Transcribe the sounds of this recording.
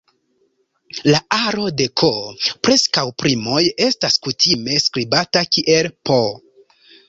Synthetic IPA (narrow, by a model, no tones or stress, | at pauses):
laʔaɾo̞de̞kʰopɾe̞skawpɾimo̞je̞staskutʰime̞skɾibatakiʔe̞lpo